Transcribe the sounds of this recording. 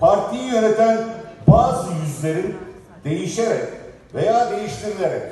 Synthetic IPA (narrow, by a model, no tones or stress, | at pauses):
pʰaɾt̪ʰijijø̞ne̞t̪ʰænbaːzɯjyzlʲe̞ɾin | d̪e̞jiʃeɾɛc | vejaːd̪e̞jiʃt̪ʰiɾilʲeɾɛc